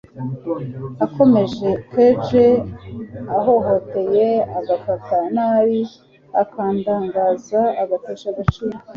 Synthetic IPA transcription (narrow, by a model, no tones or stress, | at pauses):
ako̞me̞ʒe̞ked͡ʒe | aɦo̞ɦo̞te̞jeaɡafatanaɾi | akaːndaːŋɡaːzaaɡateʃaɡat͡ʃiːɾo